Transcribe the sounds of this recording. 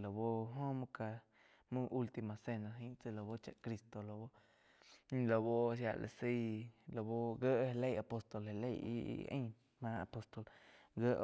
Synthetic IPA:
lo˨bo˦ɦõ˦mũ˦ka˧ | mũ˦ʔu˦lt̪i˧mã˨se˧nã˧ɦĩ˦t͡se˧˨lo˨bo˦t͡ʃa̰˧ʔkɾi˧st̪o˨lo˨bo˦ | ɲ˦lo˨bo˦sja̰˧˨ʔlḛ˨si˦lo˨bo˦ɡə˦ʔhe˧le˦ja˨po˧st̪o˨lhe˧le˦jḭ˦˧ʔə̰̃˦ | mã˧a̰˨po˧st̪o˨lɡə˦ʔ

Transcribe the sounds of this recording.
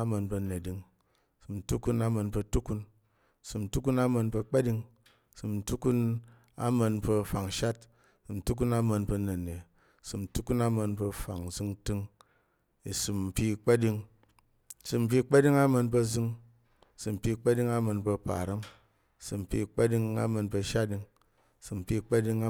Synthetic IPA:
a˦mɐ˧npɐ˧ne˨di˧ŋ˨ | sɨ˨m̩˨tu˦ku˧na˦mɐ˧npə˧tu˦ku˧n˨ | sɨ˨m̩˨tu˦ku˦na˦mɐ˧npə˧k͡pa˦di˧ŋ˨ | sɨ˨m̩˨tu˦ku˦n | a̰˦mɐ˧npɐ˧fa˨ŋ˨ʃa˦t̚ | sɨ˨m̩˨tu˦k̬u˦na˦mɐ˧npə˧ne˨ne˨ | sɨ˨m̩˨tu˦ku˦na˦mɐ˧npɐ˧fa˨ŋ˨zɨ˧ŋtɨ˦ŋ | i˨su˨mm̩˨pi˦˧k͡pa˦di˧ŋ˨ | sɨ˨m̩˨p̬ʲi˦k͡pa˦di˦ŋa˦mɐ˧npə˧zɨ˧ŋ˨ | sɨ˨m̩˨pi˧k͡pa˦di˧ŋa˦mɐ˧npɐ˧pa̰˨ɾi˦ŋ˨ | sɨ˨m̩˨pʲi˧˨k͡pa˦di˧ŋa̰˦mɐ˧npɐ˧ʃa˦t̚di˧ŋ˨ | sɨ˨m̩˨pʲi˧˦˧k͡pa˦di˧ŋ˦

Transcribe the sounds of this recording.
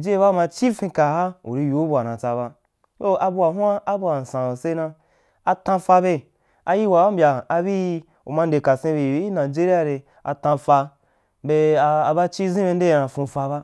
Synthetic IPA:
d͡ʒe˦e˦βa˦˧mã˧t͡ʃi˦fĩ˧ka˨ɦa˦ṵ˨ɾi˧ju˨˦bu˨a˨nã˨t͡sa˧βa˧ | to˦a˧bu˧a˨ɦu˦a˦ʔa˦bu˧wa˨n̩˨sã˨se˧nã˧ | a˧tã˧fa˧be˧ | a˧ji˦wa˨wa˦m̩bʲjaː˨˧bi˦ | ṵ˨mã˧n̩˦de˨ka˨sẽ˧be˧˨˦i˦nã˨d͡ʒe˦ɾi˦a˧˨ɾe˧ | a̰˧tã˧fa˧ | be˧a˧a˧ba˦t͡ʃi˦zĩ˦be˧n̩˦de˦˨nã˨fũ˧˨fa˧βa˦

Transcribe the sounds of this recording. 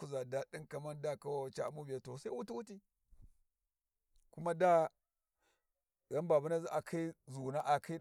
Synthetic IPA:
u˦za˨da˦di˦nka˨ma˦nda˦ka˦wa˨t͡ʃa˦˨˦mu˦bi˨ja˨to˨sa˦i˦wu˦ti˦wu˦ti˦ | ku˦ma˦da˦ | ɣa˦mba˨bu˦na˦zi˦ʔa˨kʰa˦i˦zu˨na˦ʔa˨kʰa˦i˦

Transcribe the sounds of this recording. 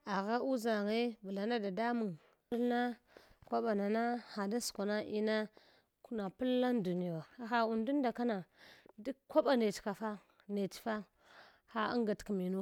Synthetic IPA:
a˨ɣa˦u˦za˨ŋe˦bə˨la˨na˦da˨da˦mu˨ŋ˦ | lna˦ | kʷa˦ɓa˨na˨na˦xa˨da˦su̥˨ka˨na˦ʔi˦na˦ | ku˦na˨pu˦lːa˦ndu˨ni˦ja˨a˨xa˨u˨ndu˦n˦da˨ka˦na˨di˦kʷa˦ɓa˨ne˨tka˨fa˦ | ne˨tfa˦ | xa˦a̰˦ŋɡa˨tkmi˨nu˦

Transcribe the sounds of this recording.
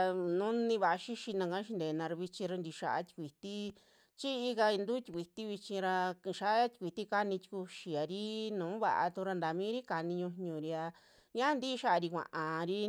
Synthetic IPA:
nũ˦nĩ˧βa˨ʔa˧ʃi˦ʃi˧nã˧kã˧˦ʃ̬i˧nd̪e˨˧nã˧ɾa˧βi˧t͡ʃĩ˧ɾa˧nd̪i˧ʃa̰˧ʔa̰˧˦t̪i̥˧kʷi˨t̪i˦ | t͡ʃi˦i˧ka˧i˧nd̪u˦t̪ʲi̥˧kʷi˨t̪i˦βi˧t͡ʃĩ˧ɾa˧kʃa˧ʔa˦t̪ʲi̥˧kʷi˨t̪i˦ka˧nĩ˧t̪ʲi̥˧ku˧ʃi˨a˨ɾi˦nũː˨˦βa̰˨ʔa̰˧t̪u˧ɾa˧nd̪a˨mĩː˦ɾi˦ka˧nĩ˧ɲũ˧ɲɲũ˨ɾi˧a˧ | ɲã˦nd̪i˦˧˦ʃa˦ʔa˧ɾi˧kʷã̰˨ʔã˨ɾi˦

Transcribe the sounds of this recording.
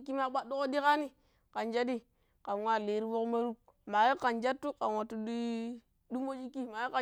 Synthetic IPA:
ki˦ma˦ɓa˦do˦ko˦di˦ka˦ni˦ | ka˨nd͡ʒa˦di˦ | ka˨n˨wa˦˨le˨ɾi˦bo˦kma˦ɾu˦k̚ | ma˨ji˦ka˨nd͡ʒa˦tːu˦ka˨nwa˨tːu˨di˦ | du˦mo˦d͡ʒi˦kːi˦ma˨ji˦ka˨

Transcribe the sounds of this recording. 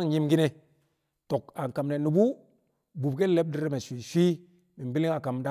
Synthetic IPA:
ŋ˨ji˦mɡi˦ne˦ | to˨ka˨ŋ˨ka˨mne˨nu˨bu˦ | bu˨b̚ɡe˦le˦b̚di˦ɾme˨ʃʷi˨ʃʷi˦ | mi˨bi˦li˦ŋa˨ka˨mda˦

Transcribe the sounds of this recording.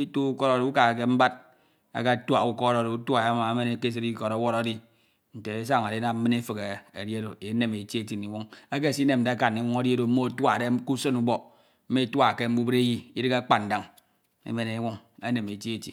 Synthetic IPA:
i˦tu˦u˦ko˦ɾa˨ɾi˨u˦ka˨a˨ke˦m̩˦ba˦d̚ | a̰˨ka˦twa˨u˦ko˦ɾo˨ɾo˨u˦ta˨ja˦ma˨a˦me˦ne˨ke˦s̬e˦ɾi˦ko˨ɾo˦wo˦ɾa˦di˦ | n̩˨te˨e˦sa˦ŋa˨ɾe˦na˦mm̩˦mɨ˦n˦e˦fɨ˨ke˨e˨di˦e˦do˨e˨˦ne˦me˨t͡ʃe˦ti˦˨ni˨wu˦ŋe˦k̬e˦˨si˦ne˨m˨n̩˨e˦a˦ka˨ni˨wu˦ŋa˦di˦e˦do˨m̩˦mo˦˨twa˨de˦ku˦so˦nu˦bo˦˨ | m̩˦me˦twa˦˨ke˦m̩˦bu˦bɾe˦ji˦i˦di˦ka˦k͡pa˨n̩˨da˨ŋ | ḛ˦me˦ne˨˦wu˦ŋe˦ne˨me˨t͡ʃi˦e˦ti˨

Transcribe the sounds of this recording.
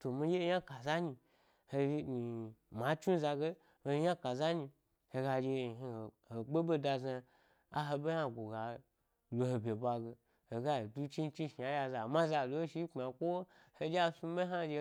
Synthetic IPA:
to˨mi˧˦je˦˧˦ja˦ka˨za˦ɲi˧ | he˧˦mi˨ma˨˦t͡ʃu˦za˧ɡe˦ | ho˧jã˦ka˨za˦ɲi˧ | he˧ɡa˧d͡ʒe˧˨ɦi˧˨ | he˨ɡ͡be˦be˧da˧za˧ | a˦ɦe˧be˦a˧˨ɡʷo˨ɡa˨ | lo˨he˨bʲe˨bʷa˧ɡe˧ | he˨ɡa˦i˨du˦t͡ʃi˦n˦t͡ʃi˦ʃi˨a˦ja˧za˨mã˦za˧˨lo˧˦ʃi˧˦k͡pa˨kʷo˦ | he˧d͡ʒe˦a˧su˧˦be˦ɦa˦˧d͡ʒe˧

